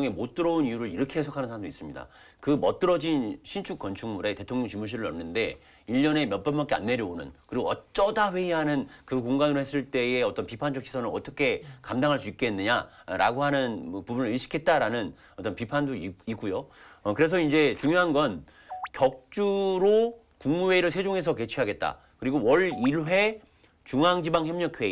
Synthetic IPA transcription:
ŋe̞mot͈ɯɾʌonijuɾɯɾiɾʌkʰeɦesʰokʰanɯnsʰamdois͈ɯmɲida̰ | kɯmʌt͈̚ɯɾʌd͡ʑinɕʰint͡ɕʰuk͈̚ʌnt͡ɕʰuŋmuɾe̞te̞tʰoŋjʌŋt͡ɕimuɕ̬ʰiɾɯɾʌ̰mnːɯnde̞ | iʎːʌne̞mjʌp͈ʌmbak͈ʰea̰nːe̞ɾjʌonɯ̰nkɯɾiɡoʌt͡ɕ͈ʌdaɸwe̞iɦanɯnkɯkoŋɡanɯɾohe̞s͈ɯɭt͈e̞eʌt͈ʌnpipʰand͡ʑʰʌkt͡ɕʰi̥sʰʌnɯʌt͈ʌkʰe̞kamdaŋɦaɭs͈uik͈e̞nːɯɲa̰ | ɾa̰ɡoɦanɯnmʌpubunɯɾiɭɕʰi̥kʰe̞t̚t͈aɾanɯn | ʌt͈ʌnpipʰandoiik͈ujoʌkɯɾe̞s̬ʰʌind͡ʑe̞t͡ɕuŋjoɦanɡʌn | kjʌk̚t͡ɕ͈uɾo | kuŋmuwe̞iɾɯɭsʰwe̞d͡ʑoŋɦe̞sʰʌke̞t͡ɕʰiɦaɡe̞t̚t͈a̰ | kɯɾiɡowʌɭiɭɦe̞ | t͡ɕuŋɦaŋd͡ʑibaŋçjʌmɲʌkʰwe̞i

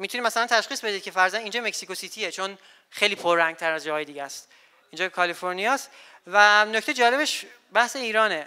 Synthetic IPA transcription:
mit̪ʰunid̪mæsælænt̪ʰæʃχiːsbed̪id̪̚cʰe̞fæɾzænind͡ʒɒːme̞csikosit̪ʰiet͡ʃʰon | xejliːpʰoɾːæŋɡ̚t̪ʰæɾæzd͡ʒɒːjed̪iːɟæst̪ | ind͡ʒɒːkʰɒlifoɾnijɒːst̪ | vænocʰt̪ejd͡ʒɒːle̞βeʃ | bæhse̞iːɾɒːne

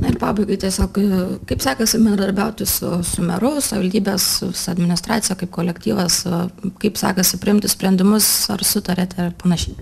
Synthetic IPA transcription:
nɐɪrpɑːbɐɪɡɐɪt̪ʲiɛsʲoːkkɐɪpsɑːkɐsʲɪbʲɛnd̪ɾɐd̪ɐɾʲbʲɛʊt̪ʲɪsʊ̰sʊmʲɛɾʊsʊɪʋɐlʲd̪ʲiːbʲɛsʊsʊɐd̪ʲmʲɪnʲɪst̪ɾɑːt̪sʲɪjɛːkɐɪpkoːlʲɛkt̪ʲiːʋɐskɐɪpsɑ̰ːkɐsʲɪpʲɾʲɪɪmʲt̪ʲɪsʲpʲɛnʲd̪ʲɪmʊsɐrsʊt̪ɐɾʲɛt̪ʲɛpɐnɐʃʲɛɪ

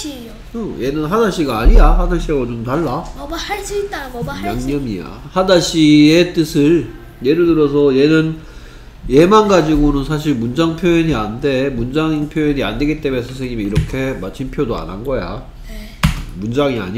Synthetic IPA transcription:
oje̞nɯnɦadaɕʰiɡaːɲijaɦadaɕ͈ʰiɡot͡ɕomtaɭːaaɭs͈uit̚t͈ajaŋɲʌmija̰hadaɕʰiet͈ɯsʰɯɭ | je̞ɾɯɭdɯɾʌs̬ʰʌje̞nɯn | je̞manɡad͡ʑiɡonɯnsʰaɕ̬ʰiɭmund͡ʑaŋpʰjojiɲiande̞mund͡ʑaŋpʰjojiɲia̰nde̞ɡit͈e̞meesʰɯs̬ʰeŋɲimiiɾʌkʰe̞mat͡ɕʰinpʰjodoa̰na̰nɡʌja̰ | mund͡ʑaŋia̰ɲi

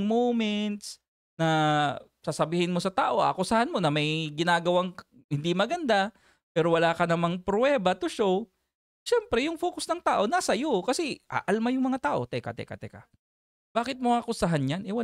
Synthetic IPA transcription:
ŋmoːmɛnt̪s | nɐ | sasɐbiːhɪnmo̞sɐt̪aːʔo̞ʔa̰kʊsɐhanmo̞nɐmɐjɡɪnaːɡɐwaŋ | hɪnd̪imɐɡɐnd̪a | pɛːɾowɐlaːkɐnɐmaŋpɾwɛːbɐt̪ʊʃow | ʃɛmpɾɛjʊŋfoːkʊsnɐŋt̪aːʔo̞nɐsɐjokɐsɛʔa̰ʔɐlmajʊŋmɐŋat̪aːʔo̞t̪ɛkɐ̰t̪ɛ̰kɐ̰t̪ɛ̰ka̰ | b̥aːkɪt̪̚moakʊsɐɦanɲjanʔɪwa

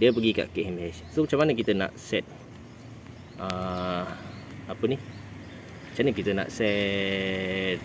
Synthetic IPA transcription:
diəp̬əɡika̰ʔkeʔhɛmɦɛssomat͡ʃamanək̬it̪əna̰ʔsɛt̪̚ | ə | apəni | at͡ʃanəkit̪ənã̰ʔsɛ | t̪̚

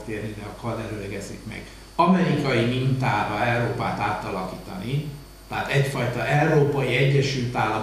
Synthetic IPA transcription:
t̪eːrnid̪ɛɒkɒd̪ɛɾølɛɡɛzikmɛ̰ɡ̥ | ɒmɛɾikɒjimint̪aːɾɒɛwɾoːpaːt̪aːt̪ɒlɒkiːt̪ɒni | t̪ɛɦat̪ɛcfɒjt̪ɒʔɛuɾoːpɒjiɛɟːɛʃylt̪aːlːɒ

